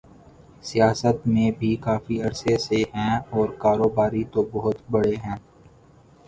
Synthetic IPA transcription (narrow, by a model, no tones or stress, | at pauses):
sijaːsət̪mẽbʱikaːfiɐɾseseɦɛ̃ɔːɾkaːɾoːbaːɾit̪obɔɦʊt̪bɐɽeɦɛ̃ː